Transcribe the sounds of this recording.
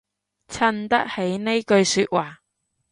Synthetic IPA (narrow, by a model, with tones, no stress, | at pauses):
t͡sʰɐ˧nt̪ɐ˥k̚he˨˥jne˥jkɵ˧ɥsyː˧t̚waː˨˩